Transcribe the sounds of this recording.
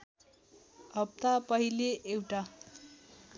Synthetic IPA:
ɦʌp̚t̪apʌɦileʔewʈa

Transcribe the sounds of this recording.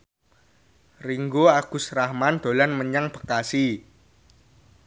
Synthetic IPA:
riŋɡoaɡ̥ʊ̤srahmand̪̥o̤lanməɲaŋb̥ə̤̥kasi

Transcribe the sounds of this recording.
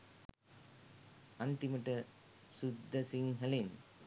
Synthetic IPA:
ɐnt̪imɐʈɐ | sud̪ʱːɐsiŋɦɐlen

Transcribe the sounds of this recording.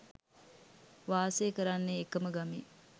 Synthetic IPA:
ʋaːseːkəɾanːeːkəməɡami

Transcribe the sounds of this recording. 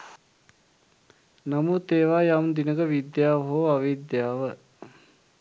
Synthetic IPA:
namut̪eːʋaːjamd̪inəɡəʋid̪jaːʋɦoːaʋid̪jaːʋə

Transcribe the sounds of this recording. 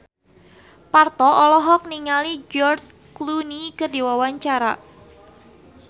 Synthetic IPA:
part̪ɔʔɔlɔɦɔk̚niŋalid͡ʒɔrs | klunikərdiwawaɲt͡ʃaɾa̰

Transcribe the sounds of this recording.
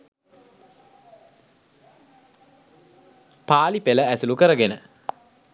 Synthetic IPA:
paːlipeləæsulukəɾəɡenə

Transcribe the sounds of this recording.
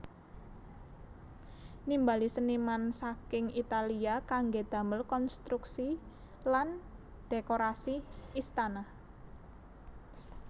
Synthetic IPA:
nimbalisənimansakɪŋit̪aliakaŋɡed̪̥ä̤məlkɔnst̪ɾuksi | lan | d̪̥ekoɾasiːst̪anah

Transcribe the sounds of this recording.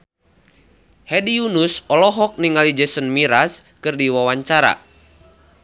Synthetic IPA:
hɛdiunusɔlɔɦɔk̚niŋalid͡ʒɛsənmiɾas | kɨrdiwawaɲt͡ʃaɾa̰

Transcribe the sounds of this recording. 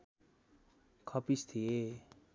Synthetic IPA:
kʰʌpist̪ʰie

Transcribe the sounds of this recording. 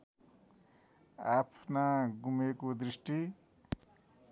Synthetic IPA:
apʰnaɡumekod̪risʈi

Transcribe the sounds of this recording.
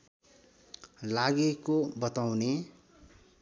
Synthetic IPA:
laɡekobʌt̪awne

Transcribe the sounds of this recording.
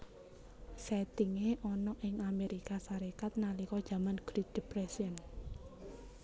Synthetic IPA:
sɛt̪iŋeʔɔnɔʔɪŋameɾikasaɾekat̪̚nalikɔd̥ʒ̥ä̤manɡ̥ɾid̪̥ipɾɛsiən

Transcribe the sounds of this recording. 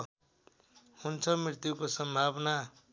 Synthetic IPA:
hunt͡sʰʌmirt̪jukosʌmbʱabna

